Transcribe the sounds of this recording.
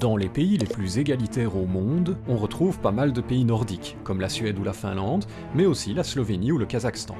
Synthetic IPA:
d̪̥ɑ̃lepeileplyzeɡalit̪ɛʁomɔ̃d̪ɔ̃ʁət̪χuvpamald̪əpeinɔʁd̪ik | kɔmlasɥɛd̪ulafɛ̰̃lɑ̃d̪ | mɛosilaslɔveniuləkazakst̪ɑ̰̃

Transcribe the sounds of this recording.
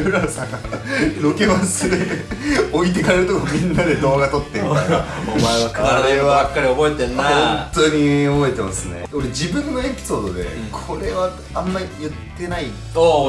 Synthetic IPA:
ɯɾasaɡanoke̞masɨd̪e | o̞it̪̬e̞kaɾeɾɯ̟t̪okoamʲĩnːad̪e̞d̪o̞ːɡat̪o̞t̪ːe | omaeβakaɾɾeabakːaɾʲiobo̞et̪ẽnːaõnt̪o̞ɲ̟iobo̞et̪e̞masɨnḛo̞ɾe̞d͡ʑibɯ̟̃nːoe̞pʲi̥so̞ːd̪od̪e̞̰kʰo̞ɾe̞βa | ãmːaɾʲijɯ̟t̪ːe̞nai | t̪o

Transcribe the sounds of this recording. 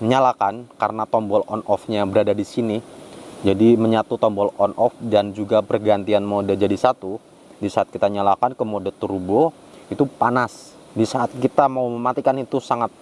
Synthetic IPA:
ɲalakankaɾənat̪ɔmbɔlɔnɔfɲabəɾadadisinid͡ʒadiməɲat̪ut̪ɔmbɔlɔnʔɔfdand͡ʒuɡapərɡant̪ianmodad͡ʒadisat̪u | disaat̪̚kit̪aɲalakankəmodot̪uɾubo | it̪upanas | disaʔat̪̚kit̪amauməmat̪ikanit̪usaŋat̪̚

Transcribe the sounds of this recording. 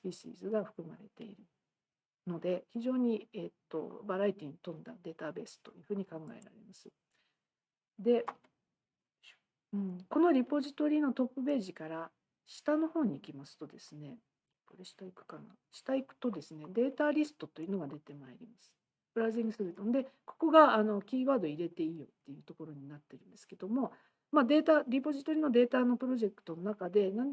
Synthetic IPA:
ɾʲiɕḭːzɨɡaɸɯ̟̥kɯ̟ma̰ɾe̞̰t̪e̞̰iɾɯ | no̞d̪e̞çiʑo̞ːɲ̟iet̪ːo̞̰baɾait̪ʲiːɲ̟it̪õ̞nd̪a̰d̪e̞ːt̪abe̞ːsɨ̥t̪o̞jɯ̟ɸɯ̟ːɲ̟ikãŋɡa̰eɾa̰ɾe̞̰masɨ | d̪e̞ | ɯ̟̃ɴko̞no̞ɾʲipo̞ʑit̪o̞ɾʲiːno̞t̪o̞pːɯ̟be̞ːʑikaɾa | ɕi̥t̪ano̞ho̞ːɲ̟iːkʲimasɨ̥t̪o̞d̪e̞sɨne̞ | koɾeɕi̥t̪aikɯ̟̥kana̰ | ɕi̥t̪aikɯ̟̥t̪o̞d̪e̞sɨne̞d̪e̞ːt̪aɾʲisɨ̥t̪o̞t̪ːo̞iɯ̟no̞ɡad̪e̞t̪e̞maeɾʲimasɨ̥ | pɯɾazĩŋɡɯ̟sɨɾit̪ond̪e̞ko̞̥ko̞ɡaːno̞kʲiːβaːd̪o̞iɾe̞t̪e̞ijo̞̰t̪ːe̞jɯ̟t̪o̞ko̞ɾo̞ɲ̟inat̪ːe̞ɾɯ̟nd̪esɨ̥ke̞d̪o̞mo̞ | mad̪e̞ːt̪aɾʲipo̞ʑit̪o̞ɾʲiːno̞d̪e̞ːt̪ano̞pɯ̟ɾo̞ʑe̞kɯ̥t̪o̞no̞nakad̪e̞nãn

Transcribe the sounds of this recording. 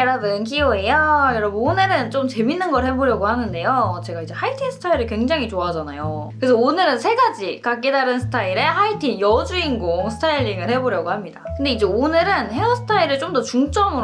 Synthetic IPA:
eɾadɯnk̬ioejʌjʌɾʌbʌnonɯɾɯnt͡ɕomt͡ɕe̞minːɯnɡʌɭhe̞boɾjʌɡohanɯnde̞jot͡ɕe̞ɡaid͡ʑe̞hʰaitʰinsʰɯ̥tʰaiɾɯɭkwe̞ŋd͡ʑaŋɦit͡ɕoad͡ʑanajokɯɾe̞s̬ʰʌonɯɾɯnsʰe̞ɡad͡ʑikak͈edaɾɯnsʰɯ̥tʰaiɾehaitʰinjʌd͡ʑuinɡoŋsʰɯ̥tʰaiʎːiŋɯɭhe̞boɾjʌɡohamɲidakɯnde̞id͡ʑe̞onɯɾɯnhe̞ʌsʰtʰaiɾɯɭt͡ɕomdʌt͡ɕuŋt͡ɕ͈ʌmɯɾ

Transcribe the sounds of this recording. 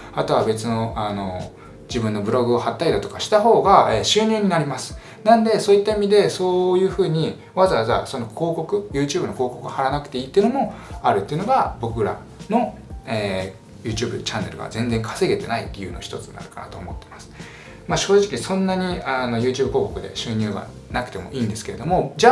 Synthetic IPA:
at̪o̞β̞abe̞t͡sɨno̞ano̞ | d͡ʑibɯ̟̃nːo̞bɯ̟ɾo̞ɡɯ̟o̞hat̪ːaid̪at̪o̞kaɕi̥t̪aɦo̞ːɡaeːɕɨːɲ̟ʲeɲ̟inaɾʲimasɨ̥ | nãnd̪e̞so̞ːit̪ːaimʲid̪e̞so̞ːjɯ̟ːɸɯ̟ːɲ̟i | βazaβzaso̞no̞kʰo̞ːko̞kɯ̟jɯ̟ːt͡ɕɨːbɯ̟no̞koːko̞kɯɡahaɾanakɯ̟̥t̪e̞iːt̪ːeiɯ̟nomo̞aɾɯ̟t̪ːeiɯ̟no̞ɡabo̞kɯ̟ɾa̰ | no̞eː | jɯ̟ːt͡ɕɨːbɯ̟t͡ɕanːe̞̰ɾɯ̟ɡa̰zẽ̞nd͡zẽ̞ŋkʰḁse̞ɡe̞t̪e̞naḭt̪ːe̞jɯ̟ːno̞çi̥t̪o̞t͡sɨna̰ɾɯ̟kana̰t̪o̞ːmo̞t̪ːe̞masɨ̥ | maɕo̞ːʑikʲisõ̞nːaɲ̟iano̞jɯːt͡ɕɨːbɯ̟ko̞ːko̞kɯ̟d̪e̞̰ɕɨːɲ̟ɨːɡa̰ | nakɯ̟t̪e̞mo̞ʔiːnd̪e̞sɨ̥ke̞ɾe̞d̪o̞mo̞d͡ʑa

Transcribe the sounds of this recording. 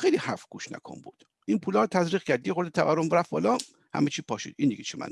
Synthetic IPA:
xejlihæfɡuːʃnæ̰kʰombuːd̪̥ | ʔinpʰuːlɒːɾt̪ʰæzɾiːχkʰæɾd̪ijexoɾd̪et̪ʰævæɾːomɾæfbɒ̰ːlɒː | hæ̰met͡ʃʰiːpʰɒːʃḭd̪ind̪ḭɡet͡ʃʰemæ̰n

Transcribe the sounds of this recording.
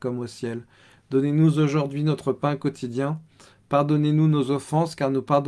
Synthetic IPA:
kɔmosjɛl | d̪ɔnenuzoʒuʁd̪ɥinɔt̪χəpɛ̃kɔt̪ʰid̪jɛ̃ | paʁd̪ɔnenunozɔfɑ̃skaʁnupaʁd̪

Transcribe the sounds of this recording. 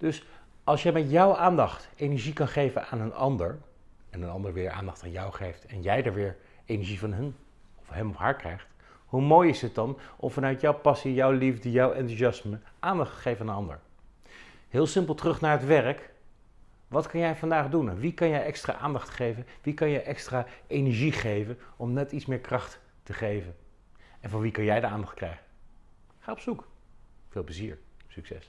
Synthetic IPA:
d̥ɵs | ɑlˠsjɛjmɛtjɔwʔaːndɑχtejnɛɹʒikɑnχejvənaːnənɑ̰ndəɹ | ɛnənɑndəɹʋɪːɹʔa̰ːndɑχtaːnjɑwχejftɛnjɛjdəɹʋɪːɹ | ejnɛɹʒivɑnɦən | ɔfɦɛmɔfɦaːɹkrɛjχt | humoːjɪsɦət̚dɑnɔmvɑnœɥtjɔwpɑsijɔwlivdəjɔwɛntusɑsməʔaːndɑχtə̥χejvənaːnənɑndə̰ɹ | ɦɪːlˠsɪmpl̩ˠtərɵχnaːɹɦətʋɛrək | ʋɑtkɑnjɛjvɑndaːχdunnʋikɑnjɛjʔɛkstra̰ːʔa̰ːndɑχtχejvənʋikɑnjɛjʔɛkstraːʔejnɛɹʒiχejvənɔmnɛtitsmɪːɹkrɑχtː | əχejvən | ɛnvɑnʋikɑnjɛjdəaːndɑχtkrɛ̰jχə | χaːɔpsukfɪːlˠpləzḭːɹsyksɛ̰s

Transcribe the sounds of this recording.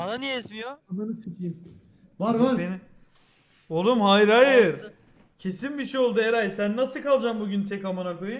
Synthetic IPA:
ananijɛizmijoamanɯsɯkʰijm | vaɾabeni | olˠumhajɾajɯɾ | cʰe̞sinbiʃejo̞lˠd̪ueɾajsænːasɯkalˠd͡ʒaːmbuɟʲynt̪ʰɛkhamanakojun

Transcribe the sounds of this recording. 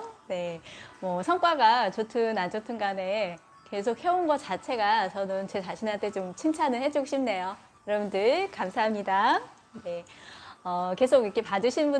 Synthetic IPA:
ne̞mwʌsʰʌŋk͈waɡat͡ɕotʰɯnand͡ʑotʰɯnɡane̞ | ke̞sʰok̚he̞onɡʌt͡ɕat͡ɕʰe̞ɡat͡ɕʌnɯnt͡ɕe̞t͡ɕaɕʰinɦantʰe̞t͡ɕomt͡ɕʰiŋt͡ɕʰanɯɭhe̞d͡ʑok̚ɕʰimne̞jo | jiɾʌbundɯɭkamsʰaɦamɲida | ne̞ | ʌke̞s̬ʰoɡik͈ʰepadɯɕʰinbu

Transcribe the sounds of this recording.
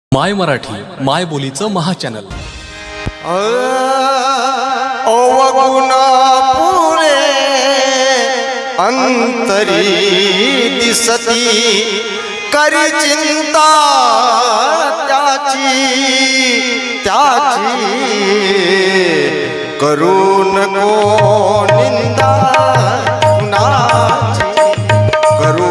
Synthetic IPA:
majməɾaʈʰḭːmajbolit͡səməɦat͡ɕænə̰l | əɾ | oʋəɡəwnapuɾe | ənt̪əɾii | d̪isət̪i | kəɾit͡ʃɪ̃nt̪a | t̪jaːt͡ʃi | t̪jaːt͡ʃi | kəɾunɐko | nɪnd̪a | nat͡ʃi | kɐɾ

